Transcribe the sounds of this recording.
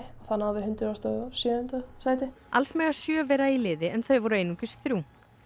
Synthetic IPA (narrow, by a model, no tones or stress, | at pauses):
aθanːawðɪɦʏnt̪ɪɾast̪asjœðʏnt̪asajt̪ɪ | alsmɛːɣḁsjœːvɛːɾailɪːðɪɛnθœɥvɔɾʏeːjnuːcɪst̪θɾjuː